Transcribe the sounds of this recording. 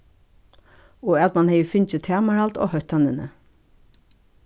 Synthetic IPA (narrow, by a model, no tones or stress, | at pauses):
oːɛɑt̪mɑnheɪfʏnçət̪ʰæːmɑɾɑlt̪o̰ːhœt̪ɑnənə̰